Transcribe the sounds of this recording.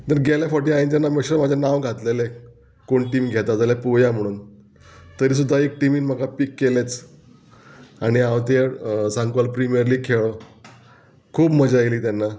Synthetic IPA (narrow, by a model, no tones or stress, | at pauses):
d̪əɾɡʱeljafɔʈiaint̪janːameɕəɾmad͡ʑʱanãʋɡʱat̪lele | koɳʈiːmɡʱɛt̪ad͡zaljapujam̤əɽ̃uːn | t̪əɾiːs̬ud̪ʱːaekʈimiːnm̤əkapikːelet͡s | aɽ̃iaʋt̪esãŋkʋalpɾimiəɾliːkʰeɭə | kʰuːbməd͡ʑajliːt̪janːa